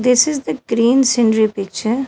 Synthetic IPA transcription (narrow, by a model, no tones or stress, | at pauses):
d̪ɪsɪzd̪əɡ̥ɾĩːnsɪ̃nɾipɪk̚t͡ʃəɾ